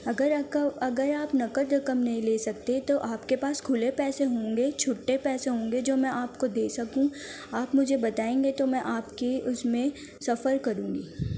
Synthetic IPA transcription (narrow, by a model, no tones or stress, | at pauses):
ɐɡəɾɐɡəɾaːpnɐkəd̪ɾɐkəmnɐɦĩleːsɐk̚t̪et̪oʔaːpkepaːskʰʊlepɛːseɦõːŋɡet͡ʃʰʊʈːepɛːseɦõːŋɡed͡ʒoːmɛ̃ʔaːpkod̪eːsɐkũ | aːpmʊd͡ʒʱebɐt̪aːẽːŋɡet̪omɛ̃ʔaːpkiʔʊsmẽ | sɐfəɾkɐɾũːŋɡiː